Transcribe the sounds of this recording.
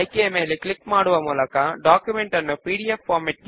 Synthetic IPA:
ɪkːemeːleklɪkːmaːɽɯʋɐmuːlɐkːãːɖaːkjumɛɳʈɐnːɯpiːɽɪjɐfaːɾmɛʈ̚k

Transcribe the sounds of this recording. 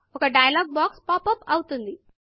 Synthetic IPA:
okaɖajalɔɡ̚bɔkspɔpəpawt̪und̪i

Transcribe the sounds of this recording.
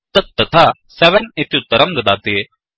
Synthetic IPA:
t̪ɐt̪ːɐt̪ʰasɛʋənɪt̪ʰiʊt̪ːəɾɐmd̪d̪aːt̪e

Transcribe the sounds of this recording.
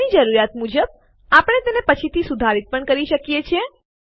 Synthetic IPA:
id͡ʒəɾuɾjat̪mud͡ʒəb̚ | apɽ̃et̪enepət͡ʃʰit̪ʰisud̪ʱaɾit̪̚pəɳkəɾiʃəkjet͡ʃʰe

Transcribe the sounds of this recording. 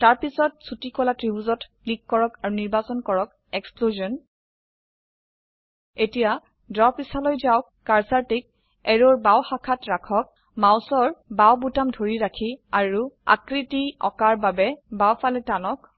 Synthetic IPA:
taɹpisɔt̚sutikɔlatɹibuzɔt | likːɔɹɔkaɹuniɹbasɔnkɔɹɔk̚ | ɛkspluziɔn | etija | dɔpisalɔjzaʊːaɹsaɹtik̚ | ɛɹoɹbawxakʰatɹakʰɔk̚ | maʊsɔɹbawbutamdʱoɹiɹakʰiaɹua̰kɹitiɔ̰kaɹbabɛbawfalɛtanɔk̚

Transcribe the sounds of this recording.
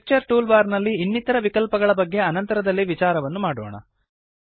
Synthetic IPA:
k̚t͡ʃɐɾʈuːlbaːɾnɐlːiːnːit̪ɐɾɐʋikɐlpɐɡɐɭɐbɐɡːe̞ɐnɐnt̪ɐɾɐd̪ɐlːiʋit͡ʃaːɾɐʋɐnːumaːɽo̰ːɳɐ̰

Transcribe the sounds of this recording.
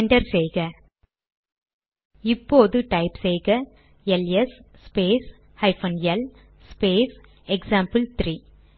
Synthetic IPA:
ɳɖɐɾsɛjɣɐ | ɪpːoːðɯʈɐɪpsɛjɣɐ | ɛlɛsspeːs | hɐɪfɐnjɛl | speːs | ɛksaːmpɨlt̪ɾiː

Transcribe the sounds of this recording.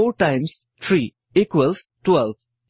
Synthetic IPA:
oːʈãɪ̃ms | t̪ʰɾiː | ikwəlsʈwɛlʋ

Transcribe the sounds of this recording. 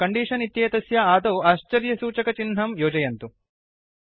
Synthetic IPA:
kɐɳɖiːʂɐnit̪jeːt̪ɐsjɐaːd̪ɐːaːʃt͡ʃɐɾjɐsuːt͡ʃɐkɐt͡ʃinɦɐmjoːd͡ʒɐjɐnt̪u

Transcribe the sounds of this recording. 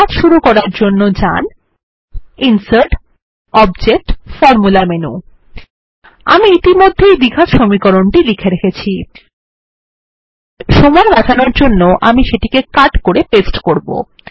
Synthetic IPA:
at̪ʃuɾukɔɾaɾd͡ʑonːod͡ʑa̰n | insəɾʈ | ɔbd͡ʑek̚ʈfɔɾmulamenṵ | a̰miit̪imod̪ʱːejd̪iɡʱat̪ʃomikoɾoɳʈilikʰeɾekʰet͡ɕʰi | ʃomaɾbad͡ʑanoɾd͡ʑonːoʔa̰miʃeʈikekaʈkoɾepesʈkoɾbo̰

